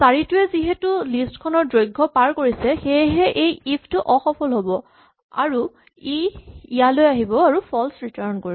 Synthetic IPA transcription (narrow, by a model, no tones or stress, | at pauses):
saɹitʊɛziɦɛtulistkʰɔnɔɹdɹojɡʱːɔpaɹkoɹisɛxejɦɛʔejipʰtʊʔɔxɔpʰɔlɦobɔ | a̰ɹu | iijalojaɦibɔaɹupʰɔlsɹitaɹnkoɹiɔ